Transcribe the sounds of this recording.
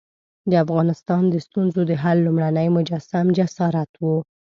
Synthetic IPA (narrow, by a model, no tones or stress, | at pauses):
d̪əafɣɑnɪst̪ɑnd̪əst̪unzod̪əɦalːumɽanəjmʊd͡ʒasamd͡ʒasɑɾat̪wu